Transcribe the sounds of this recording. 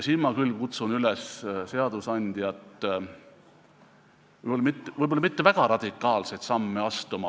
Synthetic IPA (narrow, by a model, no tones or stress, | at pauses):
siːnmɑkylkut̪sunylesse̞ɑd̪̥usɑnʲd̪̥ijɑt̪ːˑ | vjbolːɑmit̪ːˑvɤjbolːɑmit̪ːevæɡ̥ɑɾɑd̪̥ʲikːˑɑːlsejt̪sɑmːeɑst̪umɑ